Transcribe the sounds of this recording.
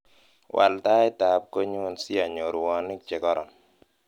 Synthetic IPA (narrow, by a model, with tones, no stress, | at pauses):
wʔa̰˨lta˦ɪ˦ta˨p̚ko˦ɲu˦nsi˦a˨ɲo˨ɾʊ˨wɔ˦nɪ˦k̚t͡ʃɛ˨kɔ˦ɾɔ̰˨n